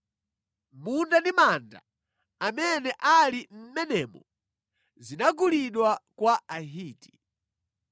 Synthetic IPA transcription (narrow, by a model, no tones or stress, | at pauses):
mundandimanda̰ | amɛnɛʔalim̩mɛnɛmɔ | zinaɡuliɗwakwaaɦiːti̥